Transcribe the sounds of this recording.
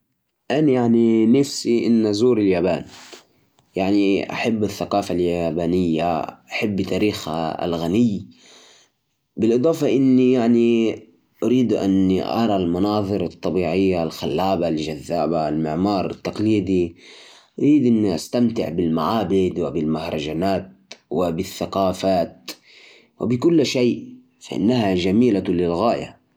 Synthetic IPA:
ʔanjaʕninafsiʔɪnːazuːɾɪljaːbaːn | jaʕniʔa̰ħabːɪθːaqɑːfaljabaːnɪjːa̰ʔaħabːɪt̪ʰaːɾiːxha̰lɣanɪj | bɪlʔɨd̪ˤɑːfɑʔɪnːijaʕni | ʔaɾiːd̪ʔa̰nʔɑ̰ɾˤɑlmɑnɑːðˤɨɾɑt̪ˤːɑbiːʕɪjːalxalːaːbalʒaðːaːbaɪlmɪʕmɑːɾˤɪt̪ːaqliːd̪i | ʔaɾiːd̪ʔɪnːiʔa̰st̪amt̪ɪ̰ʕbɪlmaʕaːbɪd̪wɪbɪlmahɾˤɑd͡ʒanaːt̪̚wɪbɪθːaqɑːfaːt̪̚ | wɪ̰bɪkʊlːʃeːʔ | faʔɪ̰nːahaʒamiːlalɪlɣaːja̰

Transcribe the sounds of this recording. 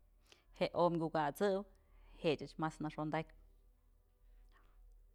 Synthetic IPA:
heʔomɡʲukat͡sɨw | heʔt͡ʃɨt͡ʃmasnaʂond̪akʲp

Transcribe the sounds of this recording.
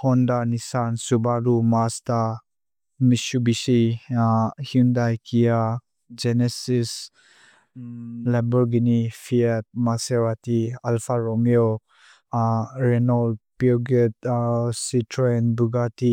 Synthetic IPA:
hɔndanisansubaɾumasta | misubisi | hindajkʰija | d͡ʒenesis | lebɔɾɡinifʰiet̚maseɾatialfʰaɾɔŋjo | ɾenɔlpioɡet̚sitʰɾoenbuɡati

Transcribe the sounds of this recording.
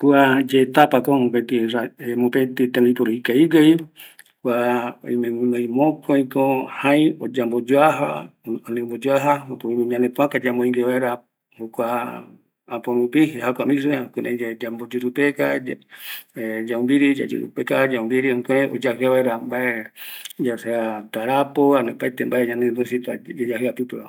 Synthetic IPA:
kuad͡ʒet̪apakõmõpet̪iɾaemõpet̪it̪ẽmĩpoɾoikaiɡaj | kwao̰imẽnaĩmõkoĩkõhãĩod͡ʒambod͡ʒoaɦa̰onẽmbod͡ʒoaɦaopoimĩɲãnẽpũãkad͡ʒambõĩŋɡeβaeɾa | okʷaː | põɾũpiɦeɦakʷamis̬uekʷunẽd͡ʒed͡ʒambod͡ʒuɾupeka | ed͡ʒaũmbiɾid͡ʒa̰d͡ʒṵɾṵpekad͡ʒaũmbiɾiõkeʔo̰d͡ʒahɨaβaeɾambaed͡ʒaseat̪aɾapoanepajt̪embaeɲãned̪usit̪ad͡ʒad͡ʒaɦɨapɨpeβa

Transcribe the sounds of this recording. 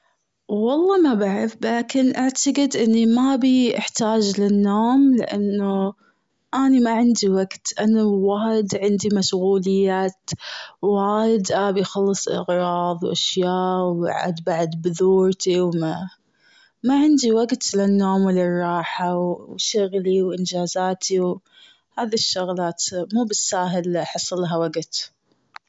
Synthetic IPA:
wɑlˤːɑːmabaʕɾɪfblaːkɪnʔaʕt̪aɡɪd̪ʔɪnːimabiʔɪħt̪aːd͡ʒlɪnːoːmlɪ̰ʔa̰nːu | ʔanimaʕɪnd̪iwaɡt̪ʔanːawaːjɪd̪ʕɪnd̪imaʃɣuːlɪjːaːt̪waːjɪd̪ʔabijxɑlːɨsˤʔɪ̰ɣɾˤɑːðˤwʔa̰ʃjaːʔwa̰ʕa̰d̪baʕd̪bðuːɾt̪iwma | maʕɪnd̪iwaɡt̪lɪnːoːmwɪlɪrˤːɑːħawʃʊɣliwʔɪnd͡ʒaːzaːt̪ʰiw | haːðiʃːʊɣlaːt̪muːbɪsːaːɦɪlħɑsˤːlaɦawaɡt̪

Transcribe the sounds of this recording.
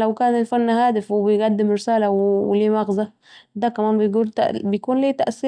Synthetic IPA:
lawkaːnɪlfanːhaːd̪ɪfwɪbɪjɡad̪ːɪmɾɪsaːlawwɪliːmɑɣza | d̪æːkæmaːnbɪjɡuːlt̪bɪjkuːnliːt̪aʔsiː

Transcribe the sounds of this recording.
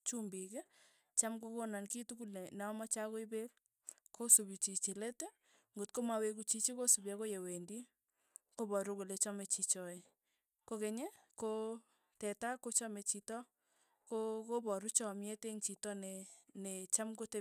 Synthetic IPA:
t͡ʃumbikɛ | t͡ʃamkokonankitukulenɛɔmat͡ʃakoibel | kʰosubit͡ʃit͡ʃilete | ŋɡotkomawekut͡ʃit͡ʃikosubjakojewendi | kobɔɾukulet͡ʃɔmet͡ʃit͡ʃɔe | kokeɲeko | tɛtakot͡ʃɔmet͡ʃitɔ | kokobɔɾut͡ʃɔmjeteŋt͡ʃitɔnenet͡ʃamkote

